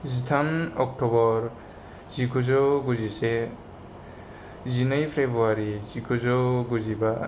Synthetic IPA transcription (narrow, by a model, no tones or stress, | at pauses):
zitʰanɔk̚tɔbɔɾ | z̥ikʰuzɔɡuzise | zinajpʰɾebɾuaɾizikʰuzɔɡuziba